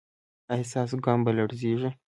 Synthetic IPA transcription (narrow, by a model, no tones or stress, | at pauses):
ɐhsaːs̬ɡaːmbɐlɐɽziːʐi